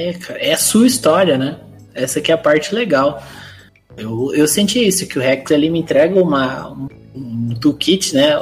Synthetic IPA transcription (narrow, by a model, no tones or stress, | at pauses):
ɛkʰaɾɐɛɐsuɐist̪ɔɾiɐnɛ | ɛsɐkɪɛɐpaɾt͡ʃɪleɡaw | ewewsẽnt͡ʃiisʊkɪʊhɛk̚t̪alimɪẽnt̪ɾɛɡɐũmɐũ | t̪ukit͡ʃɪnɛ